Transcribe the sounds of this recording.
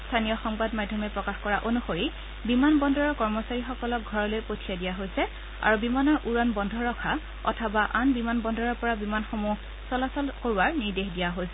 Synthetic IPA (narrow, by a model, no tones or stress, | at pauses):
stʰanijɔxɔŋbadmadʱɔmɛpɹɔkaxkɔɹaʔonuxoɹi | bimanbɔndʱɔɹɔkɔɹmɔsaɹixɔkɔlɔk̚ɡʱɔɹɔlojpotʰijadijaɦojsɛ | a̰ɹubimanɔɹʔuɹanbɔndʱɔɹɔkʰa | ɔ̰tʰɔbaʔanbimanbɔndʱɔɹɔɹpɔɹabimanxomu | sɔlasɔlkoɹuaɹniɹdexdijaɦojsɛ